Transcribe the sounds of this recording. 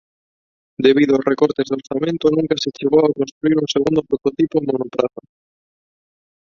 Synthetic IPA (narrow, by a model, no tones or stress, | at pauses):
d̪eβ̞iðʊosrekoɾt̪ezðoɾθamẽnt̪ʊnũŋkɐset͡ʃeɣowakõnst̪ɾuiɾuŋseɣund̪opɾot̪ot̪ipomonopɾaθo